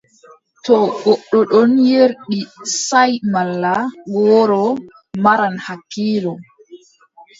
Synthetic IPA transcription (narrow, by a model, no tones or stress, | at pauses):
tɔɡɔɗːɔɗɔnjeɾɗisajmalːaɡɔːɾɔ | maɾanhakːiːlɔ